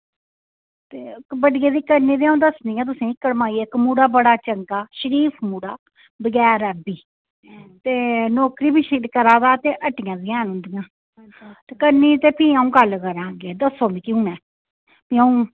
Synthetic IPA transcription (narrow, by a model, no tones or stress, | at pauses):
t̪eːbəɖɪjẽːd̪iːkəɾniːd̪iaːũːd̪əsniːãːt̪̬ʊsẽːɪkəɽmaːiːeːɪkmuːɽaːbəɽaːt͡ʃəŋkaːʃəɾiːpʰmuːɽaː | bəɡɛːɾɛːbiː | t̪eːnɔːkɾiːbiːʃilkəɾãːd̪aːt̪eːʔəʈɪjãːd̪ɪjãːnʊ̃ːnd̪ɪjãː | t̪eːkəɾniːt̪eːpʰiːaːũːɡəlkəɾãːɡeːd̪əsːoːbiːkiũːnɛː | piːaũː